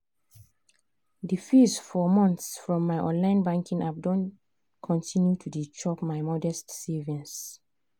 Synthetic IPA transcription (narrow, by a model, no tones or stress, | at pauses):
difisfɔmɔ̃nθsfɹɔ̃mːaɪʔɔ̰̃nlãɪ̃nbãŋkʰĩŋap̚dɔ̃n | kʰɔ̃ntʰĩnjutʰudit͡ʃɔpmaɪmɔdɛstsɛvĩns